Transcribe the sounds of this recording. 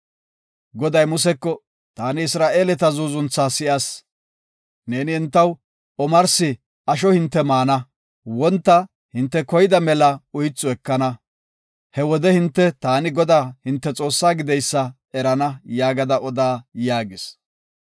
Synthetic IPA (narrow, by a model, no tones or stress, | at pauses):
ɡɔd̪ɐjmʊs̬ɛkːɔ | t̪aːnɪɪsɾaːʔe̞ːlɛt̪ɐzuzʊnt͡sːasɪʔɐs | ne̞ːnɪɛnt̪ːɐw | ɔmɐɾsɪ | ɐʃ̬ɔhɪnt̪ːɛmaːnɐ | wɔnt̪ːɐ | hɪnt̪ːɛkɔjɪd̪ɐmɛlɐʊjɪt͡sːʊɛkːɐnɐ | hɛwɔd̪ɛhɪnt̪ːɛt̪aːnɪɡɔd̪aːhɪnt̪ːɛt͡sʼo̞ːsːaːɡɪd̪ɛjsːɐ | ɛɾɐnɐjaːɡɐd̪ɐʔɔd̪aːjaːɡɪs